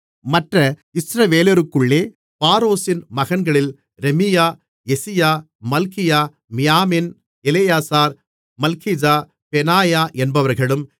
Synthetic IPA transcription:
mɐʈrɐɪsɾɐʋeːlɐɾɯkːɯɭːeː | paːɾoːsɪnmɐɣɐnɡɐɭɪl | ɾɛmɪjaː | ɛsɪjaː | mɐlkɪjaː | mɪjaːmɪn | ɛlɛjaːsaːɾ | mɐlkɪd͡ʒaː | pɛnaːjaːʔɛnbɐʋɐɾɣɐɭɯm

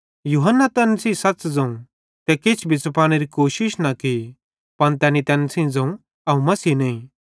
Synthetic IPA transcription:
juːɦənːat̪ɛːnsiːsɐtt͡ʃd͡zɐ̃ũ | t̪ɛkɪt͡ʃʰbʱɪt͡spaːɽ̃eɾikoːʃɪʃnɐki | pɐɽ̃t̪ɛːnit̪ɛːnsĩd͡zɐ̃ũ | ɐũmɐsiːnɐĩː

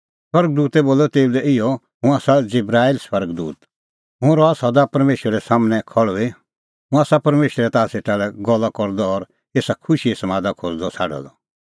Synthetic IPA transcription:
swɐɾɡ̚d̪uːt̪ɛboːlɔt̪eːulɛʔɪjɔ | ɦʊ̃aːsad͡zɪbɾaːilswɐɾɡd̪uːt̪ | ɦʊ̃ɾɔaːsad̪apɐɾmeːʃwəɾɛsaːmənɛ̃kʰɔɭɔi | ɦʊ̃aːsapɐɾmeːʃəɾɛt̪aːseʈaːlɛɡɔlːakɔɾd̪ɔːɾ | eːsakʰʊʃisɐmaːd̪akʰoːd͡zd̪ɔsʰaːɖa̰lɔ

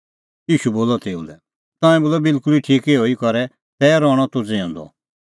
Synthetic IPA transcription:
jiːʃuboːlɔt̪eːṵlɛ | t̪ɔ̃ːɛ̃boːlɔbɪlkʊliʈʰiːkeɦoːikɔɾɛ | t̪ɛːɾɔːɽ̃ɔt̪ud͡zẽɔ̃nd̪ɔ̰

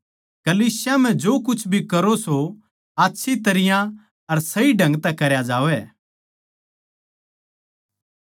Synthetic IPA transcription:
kɐliːsɪjam̤ɛ̃d͡ʒoːkʊt͡ʃʰbʱikɐɾoso | aːtːʃʰit̪ɐɾɪjã | ɐɾsɐiɖʱɐ̃ŋɡt̪ɛ̃kɐɾjad͡ʒaːʋɛ

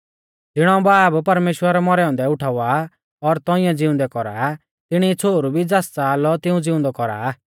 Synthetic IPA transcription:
d͡zɪɽ̃ɔ̃baːbpɐɾmeːʃwəɾɛmɔɾɛɔ̃ːnd̪ɛʊʈʰaːa | ɔɾt̪ɔɪ̃jãd͡zɪʊ̃nd̪ɛkɔɾa̰ | t̪ɪɽ̃it͡sʰoːɾubʱid͡zaːst͡saːlɔt̪ɪũd͡zɪʊ̃nd̪ɔkɔɾa̰ː

